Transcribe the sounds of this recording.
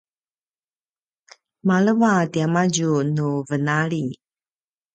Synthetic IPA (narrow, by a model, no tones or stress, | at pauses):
maləvatiamaɟunuvənaɭi